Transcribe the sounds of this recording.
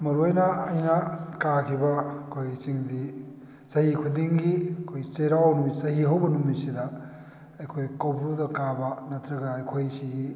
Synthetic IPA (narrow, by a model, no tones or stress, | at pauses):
mɐɾuɐjnɐɐjnɐkakʰibɐɐkʰojt͡ʃiŋdi | sɐɦikʰudiŋɡiɐkʰojt͡ʃejɾawnumisɐɦiɦɐwbɐnumisidɐ | ɐjkʰojkɐwpʰɾudɐkabɐnɐtʰɾɐɡɐɐjkʰojsiɡi